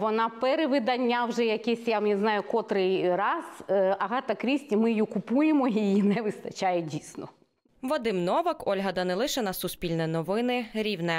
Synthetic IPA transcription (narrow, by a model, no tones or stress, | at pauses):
ʋɔnɑpɛɾeʋɪd̪ɐnʲːawʒɛjɐkʲɛsʲjamnʲɛznɑjʊkɔt̪ɾɪjrɑzɐɦɑt̪ɐkɾʲisʲtʲimɪjjukʊpujemɔijjinɛʋɪst̪ɐt͡ʃajɛdʲisʲnɔ | ʋɔd̪ɪmnɔʋɐkɔlʲɦɐd̪ɐnɛlˠɪʃenɐsʊspʲilʲnɛnɔʋɪnɪɾʲiwnɛ